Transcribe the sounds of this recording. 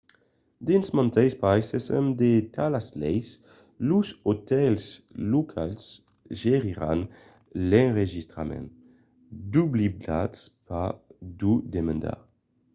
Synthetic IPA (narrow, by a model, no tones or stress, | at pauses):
d̪insmãnt̪ɛjspajsesɛmd̪et̪ʰalaslɛjs | luzot̪ɛlslukʰals | ʒeʁiʁan | lɛ̃nʁeʒist̪ʁamɛ̰̃n | d̪ublibdatspad̪ud̪emãnd̪a̰